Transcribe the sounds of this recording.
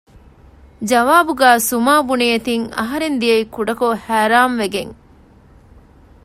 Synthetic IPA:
d͡ʒɐʋaːbuɡæːsumaːbunijɐt̪iŋɐ̰ɦɐɾend̪iɐikuɖɐkohæːɾaːmʋeɡeŋ

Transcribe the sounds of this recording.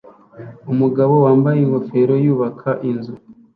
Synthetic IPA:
umuɡaβo̞waːmbajeŋɡo̞fe̞ɾo̞juːβakʰaʔinzu

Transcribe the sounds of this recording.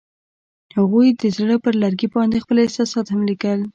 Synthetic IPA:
haɣujd̪əzɽəpəɾlaɾɡibɑnd̪expəlɪsɑsɑt̪hamlikəl

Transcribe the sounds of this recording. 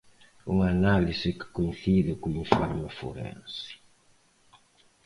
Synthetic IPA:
uŋanalisikɪ̥koĩnθiðekuĩɱfaɾmefo̰ɾɛ̰̃nsi̥

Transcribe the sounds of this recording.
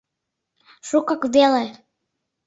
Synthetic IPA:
ʃukɑkvele

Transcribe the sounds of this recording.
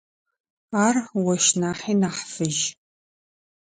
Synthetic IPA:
aːrwɐʃnaːħiːnaːħfɨʒ

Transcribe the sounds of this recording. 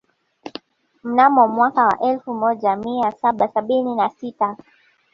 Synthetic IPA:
m̩namɔmwakawa̰ʔɛlfumɔʄamiasaɓasaɓininasita

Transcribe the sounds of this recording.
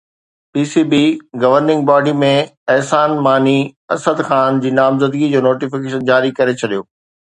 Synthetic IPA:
piːsibiɡɐʋəɾnɪ̃ŋɡ̚baːɖimẽɛɦsaːnmaːniɐsəd̪xaːnd͡ʑiːnaːmzəd̪ɡid͡ʑoːnoːʈifɪkeːʃənd͡ʑaːɾikɐɾet͡ɕʰɐɗijoː

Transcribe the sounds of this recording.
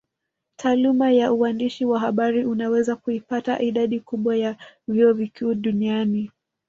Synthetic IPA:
tʰaːlumajauwandiʃiwaɦaɓaɾiʔunawɛzakuipata̰ʔiɗaɗikuɓwajaviɔvikuːɗuniani

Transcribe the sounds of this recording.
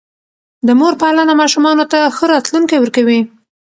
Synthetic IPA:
d̪əmoɾpalanamɑʃumɑnot̪axəɾɑt̪luŋkewəɾkawi

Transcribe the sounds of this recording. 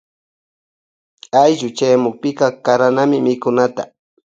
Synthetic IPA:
ajʒʊt͡ʃajmʊk̚pɪkɑkaɾanamɪmɪkʊnat̪a̰

